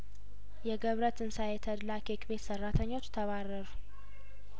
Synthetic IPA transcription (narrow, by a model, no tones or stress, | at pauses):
jɛɡəβɾət̪ɨnsajɛt̪ʰəd̪lakʰekbet̪sərːat̪ʰəɲːo̞t͡ʃːt̪ʰəβarːəɾu